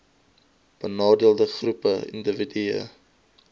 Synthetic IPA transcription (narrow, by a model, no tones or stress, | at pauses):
b̥ənɑːdiəlˠdəχrupəḭndəvidiə̰